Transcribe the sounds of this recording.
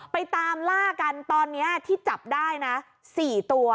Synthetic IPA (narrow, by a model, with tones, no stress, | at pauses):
pa˧jt̪aː˧mlaː˥˩ka˧nt̪ɔː˧nːi˦˥ɐt̪ʰiː˥˩t͡ɕa˨˩p̚daː˥˩jna˦˥ | siː˨˩t̪u˧ɐ